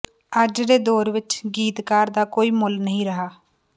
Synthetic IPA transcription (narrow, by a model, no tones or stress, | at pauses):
əd͡ʒd̪eːd̪oːɾʋɪt͡ʃɡiːt̪kaːɾd̪aːkoːiːmʊlnəɦĩːɾəɦaː